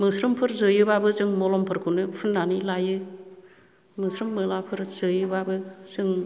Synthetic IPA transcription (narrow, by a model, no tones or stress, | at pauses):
mɯsɾɯmpʰɯɾzɯjɯbabɯzɯŋmɔlɔmpʰɯɾkʰunɯpʰɯnːanilajɯ | mɯsɾɯmːɯlapʰɯɾz̥ɯjɯbabɯzɯŋ